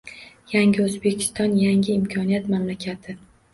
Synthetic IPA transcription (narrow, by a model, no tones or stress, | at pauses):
jaŋʲɪɵzbekʲʰɪ̥st̪ɒnjaŋʲɪɪmkʲʰɒnijat̪mamlakʲʰat̪ʰɪ